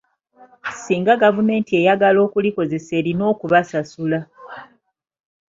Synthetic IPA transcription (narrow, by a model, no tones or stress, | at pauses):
siːŋɡaɡavume̞ːntie̞jaɡalo̞ːkuliko̞ze̞se̞ːɾino̞ːkuβasasula